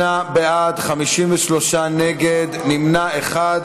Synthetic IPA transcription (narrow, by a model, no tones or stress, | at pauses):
abeʔad̪χamiʃimveʃlo̞ʃaneɡed̪nimnaeχad